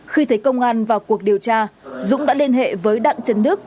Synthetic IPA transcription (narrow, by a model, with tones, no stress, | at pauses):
xi˧t̪ʰə˨˦jkə˧wŋ͡mʔaː˧nvaː˨˩wku˨˩ək̚ɗi˨˩əwt͡ɕaː˧zʊ̰˧˥ŋ͡mɗa̰ː˧˥li˧ənɦḛ˧˨vəː˨˦jɗa̰ː˧˨ŋt͡ɕə˨˦nɗɨ˦˥ək̚